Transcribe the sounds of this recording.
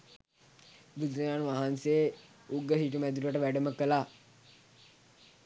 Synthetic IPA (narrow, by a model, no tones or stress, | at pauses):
bud̪ənaːnʋaɦansee | uɡəɦiʈ̬umæd̪uləʈəʋæɖəməkəlaː